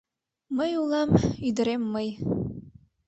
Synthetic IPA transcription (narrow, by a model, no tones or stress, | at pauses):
məjulˠɑmyd̪ɘ̆ɾemːɤj